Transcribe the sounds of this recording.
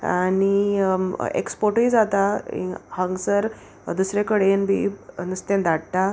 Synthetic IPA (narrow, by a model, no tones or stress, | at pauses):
aɽi | ḛkspoɾʈiːd͡zat̪aḭhãŋɡsəɾ | d̪usɾekəɽenbʱḭnəst̪ẽnd̪aɽt̪a